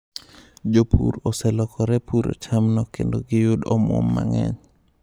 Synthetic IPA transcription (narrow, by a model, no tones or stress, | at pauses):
d͡ʒopʰṵɾosɛlɔkʰɔɾɛpʰuɾo̰t͡ʃamnɔkendoɡɪjʊdɔmwɔ̰mːa̰ŋɛ̰ɲ